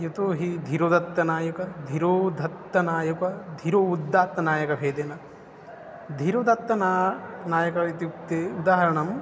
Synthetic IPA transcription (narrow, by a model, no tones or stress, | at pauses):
jut̪oːɦid̪ʱiɾoːd̪ɐt̪ːɐnaːjɐkɐd̪ʱiɾoːd̪ʱɐt̪ːɐnaːjɐkɐd̪ʱiɾoːud̪ːaːt̪ːɐnaːjɐkɐbʱeːd̪eːnɐ | d̪ʱiɾoːd̪ʱɐt̪ːɐnaːnaːjɐkɐit̪iukt̪eːud̪aːɦɐɾɐɳɐm